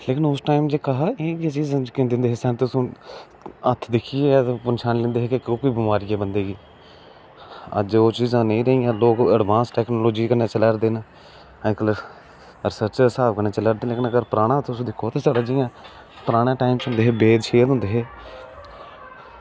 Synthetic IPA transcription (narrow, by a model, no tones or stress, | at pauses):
leːkɪnʊsʈaːɪmd͡ʒeːkəɦaeːaːt͡ʃiːzãːkẽnd̪ɪ̃nd̪eːɦeːsɛ̃ːnt̪ʊsõː | ət̪ʰːd̪ɪkʰieːt̪ːpənʃʰaːnlẽːnd̪eːɦeːkekoːkoiːbɪmaːɾiːɛːbənd̪eːɡiː | ə̰d͡ʒoːt͡ʃiːzãːnəĩːɾəɦijãːloːkəɖʋãːnsʈɛːknoːloːd͡ʒiːkəneːt͡ʃələɾd̪eːna | kələɾ | ɾɪsəɾt͡ʃəɾsaːbkəneːt͡ʃələːɾd̪eːleːkɪnəɡəɾpɾaːɽ̃ãːt̪ʊsũːd̪ɪkʰːoːt̪eːt͡ʃəɽaːd͡ʒijãː | pəɾaːɽ̃ãːʈaːɪmt͡ʃʊ̃nd̪eːɦeːbeːd̪ʃʰeːd̪ɦʊ̃nd̪eːɦeː